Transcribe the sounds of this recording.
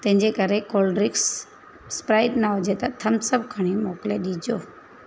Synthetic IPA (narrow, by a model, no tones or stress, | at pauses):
t̪ẽɦɪ̃ɲd͡ʑekəɾekoːlɖɾɪks | spɾaːɪɖnaɦod͡ʒet̪ɐt̪ʰɐmsəbkʰəɽ̃imoːkleɗiːd͡ʒoː